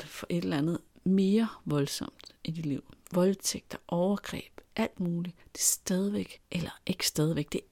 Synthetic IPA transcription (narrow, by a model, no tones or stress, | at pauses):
d̥fɒ̽ʔe̝d̥lænð̞̩ˠme̝ːɐʋɒ̽lsɒ̽m̰d̥ʔid̥i̥liʊ̰ʋɒ̽lt͡sʰeɡ̥̚d̥ɒʔɒʊɐɡ̥ʁɛ̰ːb̥ʔæl̰d̥muːlid̥e̝sd̥ɛð̞ˠiʋeɡ̥ʔelɐʔe̝ɡ̥ə̥sd̥ɛːð̞ˠiʋeɡ̥̚d̥e̝